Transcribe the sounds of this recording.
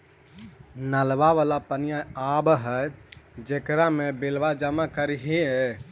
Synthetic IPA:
nəlʋaʋalapənijaabɦəjd͡ʒekɾamebelʋad͡ʒəmakəɾiɦe

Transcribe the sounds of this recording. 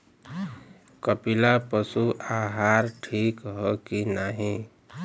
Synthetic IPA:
kəpilapəsuʔaɦaɾʈʰikɦɔkinaɦĩ

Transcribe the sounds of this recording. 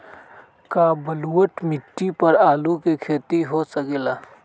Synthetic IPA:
kabɐluwəʈmɪʈːipɐɾaːlukekʰeːt̪iɦosəkelaː

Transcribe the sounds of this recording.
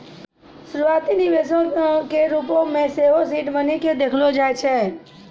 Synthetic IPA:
ʃɾuat̪iniʋesõkeɾupõmẽseʋosiʈbəniked̪ekʰlod͡ʒajt͡ʃʰe

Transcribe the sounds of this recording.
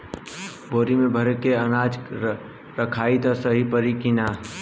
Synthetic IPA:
boːɾimẽbʱəɾkeənaːd͡ʒ | ɾəkʰaːit̪ɔsəɦipəɾikina

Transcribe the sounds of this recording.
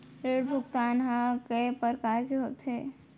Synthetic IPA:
ɾeːɽbʱʊkt̪aːnɦãkepəɾkaːɾbiɦoːt̪ɦeː

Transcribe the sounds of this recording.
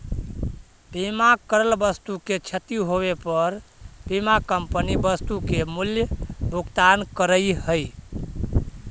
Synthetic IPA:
pimakəɾəlbəst̪uket͡ʃʰət̪ijuɦoβepəɾpimakəmpənibəst̪ukemuljəbʱuɡt̪ankəɾəjhəj

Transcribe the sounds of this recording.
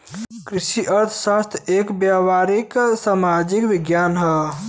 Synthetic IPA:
kɾiʃiʔəɾt̪ʰsast̪ʰekbjaʋaɾiksamad͡ʒikʋɪɡjaːnɦə

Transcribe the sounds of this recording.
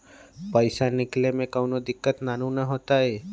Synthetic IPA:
pəɪsanɪklemẽkəʊnod̪ɪkːət̪naːnũnəɦoːt̪aɦɛː

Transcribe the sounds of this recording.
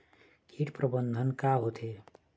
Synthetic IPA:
kʰiʈpɾəbənd̪ʱənkaɦot̪ʰe

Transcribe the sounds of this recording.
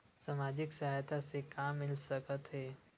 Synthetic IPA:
samaːd͡ʒɪksɐɦaːjt̪asekaːmːɪlsəkət̪ɦɛː

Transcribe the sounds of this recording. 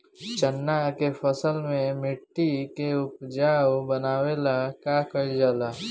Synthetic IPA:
t͡ʃənːakepʰəsəlmẽmɪʈːikeʊpd͡ʒaːwbənaːwelakaːkəid͡ʒaːlaː

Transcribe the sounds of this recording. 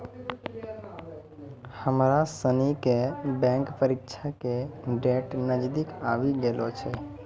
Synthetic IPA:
həmɾasənikebɛ̃ŋkpəɾikt͡ʃʰakeɖeʈnəd͡ʒd̪ikaʋiɡelot͡ʃʰɛ

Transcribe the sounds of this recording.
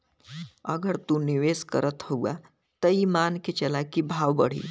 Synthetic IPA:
əɡəɾt̪uniʋeskəɾət̪howɡa | t̪əimanket͡ɕelakibʱaʋbəɽ̤ḭː

